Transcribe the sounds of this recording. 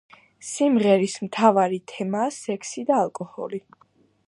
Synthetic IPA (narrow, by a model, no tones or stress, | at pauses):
simʁɛɾismt̪ʰavaɾit̪ʰɛmaːsɛkʰsid̪aːlˠkʼɔhɔ̰li